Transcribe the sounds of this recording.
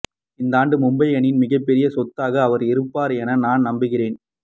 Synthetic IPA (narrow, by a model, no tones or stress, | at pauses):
ɪnd̪aːɳɖɯmʊmbɐɪɐɳɪnmɪɣɐpːɛɾɪjɐsɔt̪ːaːɣɐːʋɐɾɪɾɯpːaːɾɛnɐnaːnnɐmbɯɣɪreːn